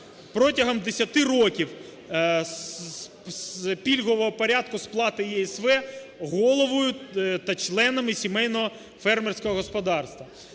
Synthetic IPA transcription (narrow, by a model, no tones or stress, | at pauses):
pɾɔtʲɐɦɔmd̪esʲɐt̪ɪrɔkʲiw | spʲilʲɦɔʋɔɦɔpɔɾʲad̪̚kʊsplˠɑt̪ɪjɛɛsʋɛɣɔlˠɔʋɔjʊt̪ɐt͡ʃlˠɛnɐmɪsʲimɛjnɔɦɔ | fɛrmersʲkɔɦɔɦɔspɔd̪ɑrst̪ʋɐ